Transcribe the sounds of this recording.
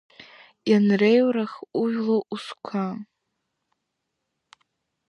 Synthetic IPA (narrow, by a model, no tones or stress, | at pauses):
ianrejwɾaxuɥlˠoʔuskʷʰa